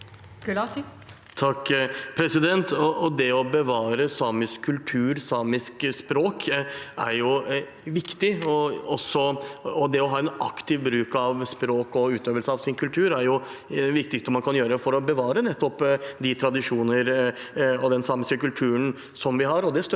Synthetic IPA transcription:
ɡ̥lɑt̪ | t̪ʰɑkːpʰɾɛsɪd̪ɛnt̪ɔʔɔd̪ɛɔbəʋɑːɾəsɑːmɪskʰːʉlt̪ʰʉːɾsɑːmɪskspɾoːkæɾjʊ | ʋɪkt̪ɪɔɔsːɔɔd̪ɛɔɦɑːɛnɑkt̪ɪʋbɾʉːkɑʋspɾoːkɔʉːt̪øːʋəlsəɑʋsɪnkʰʉlt̪ʰʉːɾæɾjʊd̪ɛʋɪk̚t̪ɪkst̪əmɑnkʰɑnjøːɾəfɔɾɔbəʋɑːɾənɛt̪ːɔpd̪ɪt̪ʰɾɑd̪ɪʂuːnəɾ | ɔd̪ɛnsɑːmɪskəkʉlt̪ʰʉːən | sɔmʋɪɦɑɾɔd̪ɛst̪

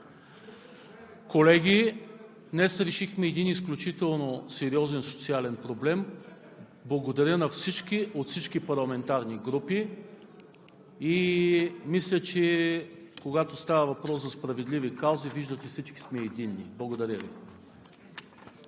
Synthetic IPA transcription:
kolɛɡʲid̪nɛsɾɛʃixmɛːd̪inisklʲut͡ʃit̪ɛlˠnosɛɾiɔzɛnso̥t̪sialɛnpɾoblɛm | blˠɐɡod̪ɐɾʲjənɐfsit͡ʃkiʔot̪fsit͡ʃkipɐɾlˠɐmɛnt̪aɾniɡɾupi | i | mislʲət͡ʃɛ | koɡat̪ost̪avəvɐpɾɔszɐspɾɐvɛd̪livikawziviʒd̪ət̪ʲifsit͡ʃki̥smɛːd̪inːḭblˠɐɡod̪ɐɾʲjəvḭ

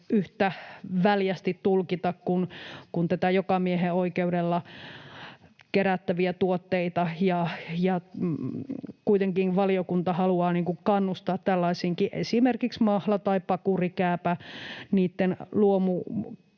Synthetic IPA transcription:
yht̪æʋæljæst̪it̪tulkit̪ɑkkunkunt̪æt̪æjokɑmieɦeoikeudelːɑ | keɾæt̪ːæʋiæt̪uot̪ːeit̪ɑjɑjɑ | kuit̪eŋkinʋɑliokunt̪ɑhɑluɑːniːŋkukkɑnːust̪ɑːt̪t̪ælːɑisiŋkiʔḛsimerkiksmɑhlɑt̪ɑipɑkurikæːpæniːt̪ːenluomu

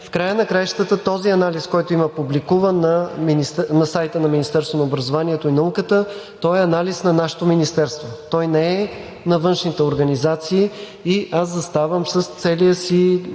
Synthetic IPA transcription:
fkɾajənɐkɾajʃt̪ət̪ət̪ɔziɐnaliskɔjt̪oimɐpublikuvənːɐminist̪nɐsajt̪ənɐminist̪ɛɾst̪vonɐobɾɐzovaniɛt̪oinɐukət̪ə | t̪ɔɛɐnalisnɐnaʃɛ̥t̪ominist̪ɛɾst̪vot̪ɔjnɛɛ | nɐvɤnʃnit̪ɛoɾɡɐnizat̪siː | iaszɐst̪avəmsəst̪sɛlijəsi

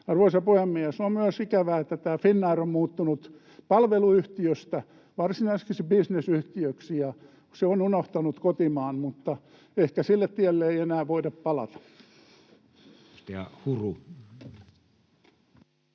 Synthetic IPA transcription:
ɑruosɑpuhemːiæsommyøsikæʋæːet̪ːæt̪æːfinːɑːrommuːt̪ːunut̪ | pɑlʋeluyht̪iøst̪æ | ʋɑrsinɑiseskisebisnesyht̪iøksijɑ | seonunoht̪ɑnut̪kot̪imɑːnmut̪ːɑ | ehkæsilːet̪t̪iælːeeienæːʋʋoidɑppɑlɑ̰t̪ɑ̥ | st̪eɑ̰huru

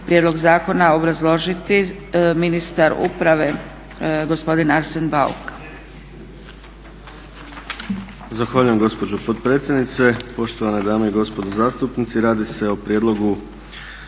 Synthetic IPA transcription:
pɾʲjed̪lo̞ɡzaːko̞nao̞bɾazlˠo̞ʒit̪iminist̪aɾṵpɾaʋe̞ | ɡo̞spo̞d̪inaɾsenbaṵk | zaxʋaːʎuje̞mɡo̞spo̞d͡ʑopot̪̚pɾeːt̪sjed̪nit̪se̞po̞ʃt̪oʋaned̪aːmeiɡo̞spo̞d̪ozaːst̪upnit̪siɾaːd̪ise̞opɾijed̪lˠo̞ɡu

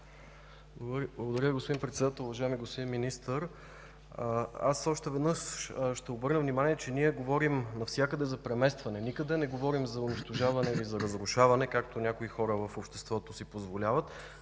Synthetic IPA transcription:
bˠblˠɡod̪ɐɾʲjəviɡospʊd̪inpɾɛt̪sɛd̪at̪əlˠʊvɐʒaɛmiɡospod̪inminist̪əɾ | asɔʃt̪ɛvɛd̪nɤʃʃt̪ɛobɤɾnəvnimaniɛt͡ʃɛniɛɡovɔɾimnɐfsʲjakəd̪ɛzɐpɾɛmɛst̪vɐnɛnikəd̪ɛnɛɡovɔɾimzɐʊniʃt̪oʒavɐnɛilizɐɾəzɾʊʃavɐnɛkakt̪onʲakoixɔɾəvəfopʃt̪ɛst̪vɔt̪osipozvolʲavət̪

